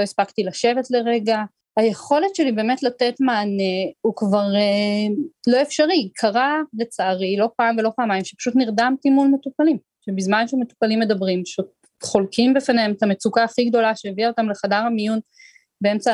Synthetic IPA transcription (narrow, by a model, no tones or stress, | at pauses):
lo̞ispakt̪ilaʃe̞vetle̞ʁeɡa | aje̞χo̞letʃe̞libe̞ːme̞tlatetmaːneukvaʁe | lo̞efʃaʁikʰaʁale̞t͡saːʁilo̞paːmvelo̞paːmajimʃe̥pḁʃutniʁdamtimulme̞tupalim | ʃebizmanʃeme̞tu̥palimːedabʁimpaʃut̚ | χo̞lkʰimbefaneemetamet͡sukaːχiɡd̪o̞laʃeːviaot̪amle̞χadaʁhamijun | beemt͡sa